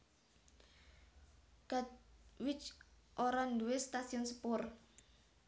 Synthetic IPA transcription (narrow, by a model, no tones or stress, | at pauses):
ɡ̥ad̪wɪt͡ʃʔoɾanduwest̪asiɔnsəpʊr